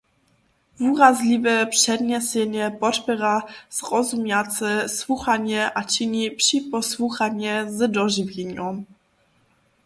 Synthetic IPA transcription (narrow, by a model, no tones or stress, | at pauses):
vuɾazlʲivɛpʂɛd̪ɲɛsʲɛɲɛpɔtpɘɾaz̥ʁɔzumʲjat̪sɛswuxaɲʲɛʔat͡ɕiɲipʂipɔswuxaɲʲɛzd̪ɔʐɘvʲjeɲɔm